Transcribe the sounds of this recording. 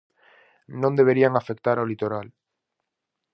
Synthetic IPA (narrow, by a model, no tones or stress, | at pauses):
nõnd̪e̞β̞eɾiaŋafek̚t̪aɾaolit̪oɾal